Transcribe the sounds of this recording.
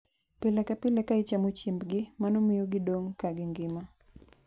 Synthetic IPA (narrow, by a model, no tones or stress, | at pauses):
pɪlakapɪlakaɪt͡ʃamot͡ʃimbɡɪmanomɪjoɡɪdoŋkaɡɪŋɡɪma